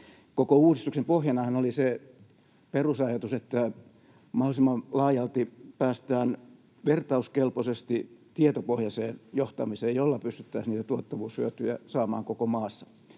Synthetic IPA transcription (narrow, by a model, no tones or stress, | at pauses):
kokouːrist̪uksempohjɑnɑhɑnolise | perusɑjɑt̪uset̪ːæ | mɑholisimːɑlɑːjɑlt̪ipæːst̪æːn | ʋert̪ɑuskelposest̪it̪iet̪opohjɑseːnjoht̪ɑmiseːjjolːɑpyst̪yt̪ːæisniːt̪æt̪uot̪ːɑʋuːshyøt̪yjæ̰sɑːmɑ̰ːŋkokomɑːsːɑ̥